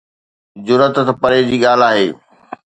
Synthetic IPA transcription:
d͡ʑʊɾət̪t̪pɐɾed͡ʑiːɠaːl̤aːɦeː

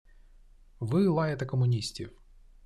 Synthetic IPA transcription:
ʋɪlˠɑjɐt̪ɛkɔmʊnʲisʲtʲiw

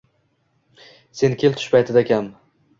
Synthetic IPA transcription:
se̞nkʲʰe̞lt̪ʰʊ̥ʃpʰajt̪ʰɪd̪akʲʰam

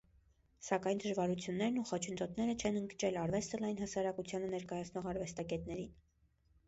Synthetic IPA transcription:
sɑkɑjnd̪əʒvɑɾut͡sʰjunːɛɾnuχɔt͡ʃʰənd̪ɔt̪nɛɾət͡ʃʰɛnəŋɡt͡ʃɛlɑɾvɛst̪əlɑjinɦɑsɑɾɑkut͡sʰjɑnənɛɾkɑjɑt͡sʰnɔʁɑɾvɛst̪ɑkɛt̪nɛɾin

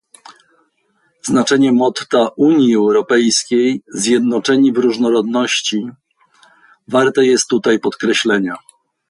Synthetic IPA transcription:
znat͡ʂɛɲɛmɔt̪ːaʔuɲjiɛwɾɔpɛjskʲejzʲjɛd̪nɔt͡ʂɛɲivɾuʐnɔɾɔd̪nɔɕt͡ɕi | vaɾt̪ɛjɛst̪ːut̪ajpɔt̪kɾɛɕlɛɲa

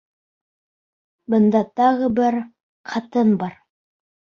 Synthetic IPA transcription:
bɤ̆nd̪ɑt̪ɑʁɤbɘɾ | qʰɑt̪ɤnbɑɾ

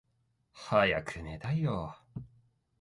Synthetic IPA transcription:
haja̰kʰɯned̪ajo

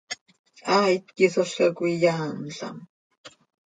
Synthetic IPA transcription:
aːit̪̚kisoɬkakʷijaːnɬa̰m

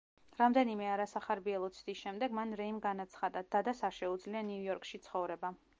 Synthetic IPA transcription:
ɾamd̪ɛnimɛaɾasaχaɾbiɛlˠɔt̪sʰd̪isʃɛmd̪ɛɡmanɾɛimɡanat̪sʰχad̪ad̪̥ad̪asaɾʃɛud̪zlianiujɔɾkʃit̪sʰχɔvɾɛba

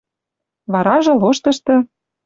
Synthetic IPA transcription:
βɑɾɑʒɤ̆loʃt̪ɤ̆ʃt̪ɤ̆

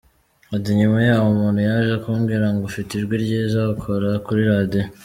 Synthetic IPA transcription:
at̬iɲumajaːwomuːnhujaʒakuːmɡiɾaŋɡofitiɾɡwiɾɟezakʰoɾakuɾiɾade

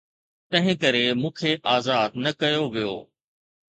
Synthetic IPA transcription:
t̪ɐ̃ɦɪ̃kɐɾemũːkʰeʔaːzaːd̪̚nɐkɐjoʋijo̰ː

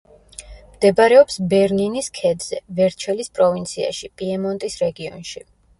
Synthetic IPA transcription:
md̪̥ɛbaɾɛɔpsbɛɾniniskʰɛd̪z̥ɛvɛɾt͡ʃʰɛlispʼɾɔvint̪sʰia̰ʃipʼiɛmɔnt̪ʼisɾɛɡiɔ̰nʃi

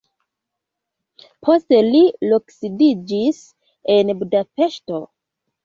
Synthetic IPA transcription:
pʰo̞ste̞liloksidid͡ʒis | enbudape̞ʃto̞

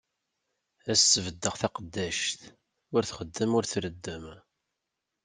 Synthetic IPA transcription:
æsəvəd̪ːəʁθæqəd̪ːæʃt̪ | ʊɾθχəd̪ːəmʊɾθɾəd̪ːəm

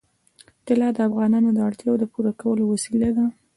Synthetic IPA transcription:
t̪ɪlɑd̪əafɣɑnɑnod̪əaɽt̪jɑwod̪əpuɾakawəlowasilad̪a

